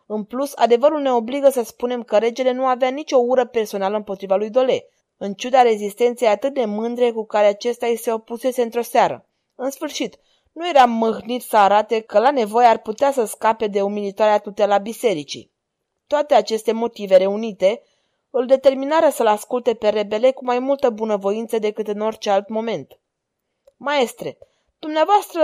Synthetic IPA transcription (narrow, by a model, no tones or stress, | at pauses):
ɨnplusa̰d̪e̞vəɾulne̞o̞bliɡəsəspune̞mkəɾe̞d͡ʒe̞le̞nuaveanit͡ʃo̞uɾəpe̞rso̞naləɨmpo̞t̪ɾivalujd̪o̞le̞ | ɨnt͡ʃud̪aɾe̞zist̪e̞nt̪sejat̪ɨt̪̚d̪e̞mɨnd̪ɾe̞kukaɾeat͡ʃe̞st̪eajiseopuse̞seɨnt̪ɾo̞seaɾə̰ | ɨnsfɨrʃit̪ | nujeɾamːɨxnit̪sʲsəaɾat̪e̞kəlane̞vo̞jearput̪easəskape̞d̪e̞umilit̪oaɾeat̪ut̪elabise̞ɾit͡ʃḭ | t̪oat̪e̞at͡ʃe̞st̪e̞mo̞t̪ive̞ɾe̞unit̪e̞ | ɨld̪e̞t̪e̞rminaɾəsəlaskult̪e̞pe̞ɾe̞be̞le̞kumajmult̪əbunəvo̞int̪səd̪e̞kɨt̪ɨno̞rʲt͡ʃe̞alt̪mo̞me̞nt̪ | mae̞st̪ɾe̞ | d̪̥umneavoast̪ɾə